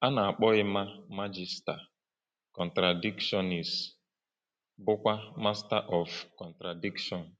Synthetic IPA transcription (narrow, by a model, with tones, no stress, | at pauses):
a˦na˨a˨k͡pɔ˦ɣɪ˦ma˦ma˦d͡ʒi˨sta˨ | kɔ˨ntɾa˨di˦kʃɔ˦ni˨s | bʊ˦kʷa˦ma˦sta˦ʔɔ˨fkɔ˨ntɾa˨di˦kʃɔ˨n̩˨